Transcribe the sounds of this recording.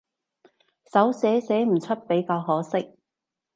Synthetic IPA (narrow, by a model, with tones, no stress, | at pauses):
sɐ˨˥wsɛː˨˥sɛː˨˥m̩˨˩t͡ʃʰɵ˥t̚pe˨˥jkaː˧wɦɔː˨˥sɪ˥k̚